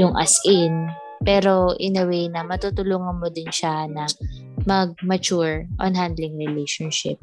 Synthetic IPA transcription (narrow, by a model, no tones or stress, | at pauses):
jʊŋʔɐ̰sʔɪn | pɛːɾo̞ʔɪnɐwejnɐmɐt̪ut̪ʊluːŋɐnmod̪ɪnʃanɐ | mɐɡ̚mɐt͡ʃuɹʔɔ̰nɦand̪lɪŋɹɪlɛjʃonʃɪ̰p̚